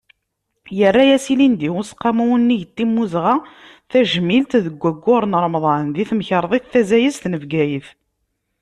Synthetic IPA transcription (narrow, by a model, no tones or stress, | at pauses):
jərːæjæsilind̪iʊsqːɑmuwənːijət̪ːimːuzʁa | θæʒmːilt̪ðəɡʷːæɡʷːʊɾˤnɾˤmðˤɑnnðiθməçəɾˤðˤeθθæzæjəst̪nəvɡæjəθ